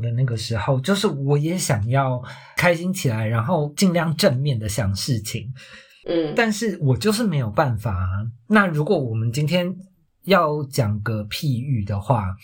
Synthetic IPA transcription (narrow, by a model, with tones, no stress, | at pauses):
d̪ə˩˦na˥˩ɡə˩ʂɻ̩˧˥xo˥˧ʊt͡ɕjo˥˧ʊʂɻ̩˥˩wɔ˨˧˥jɛ˧˥ɕjɑ˨˩ŋjɑ˥˩ʊ | kʰa˥ɪɕi˥ŋt͡ɕʰi˨˩la˧˦ɪɻa˧˥nxo˥˧ʊt͡ɕi˥˧nljɑ˥˧ŋʈ͡ʂə˥˧nmjɛ˥˩nd̪ə˩ɕjɑ˨˩ŋʂɻ̩˥˩t͡ɕʰi˨˩ŋ˥ | t̪a˥˧nʂɻ̩˥˩wɔ˨˩t͡ɕjo˥˧ʊʂɻ̩˥˩me˧˥ɪjo˨˩ʊpa˥˩nfa˨˩na˥˩ɻu˧˥kwɔ˧˩wɔ˨˩mə˨˦nt͡ɕi˥nt̪ʰjɛ˥n | jɑ˥˨˩ʊt͡ɕjɑ˨˩ŋɡə˦pʰi˥˧y˥˩d̪ə˩xwa˥˩